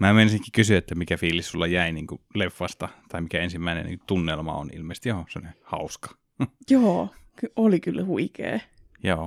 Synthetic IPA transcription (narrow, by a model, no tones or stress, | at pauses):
mæːmeˑinsinːekːikkysyet̪ːæmikæfiːlissulːɑjæˑiniːŋkulefːɑst̪ɑt̪ɑimikæensimːæˑinḛnḭːkut̪unːelmɑ̰o̰nḭlmeˑist̪ijoːseo̰lʲehɑ̰ˑuskɑ̥ | joːkyolikylːæhuikḛː | joː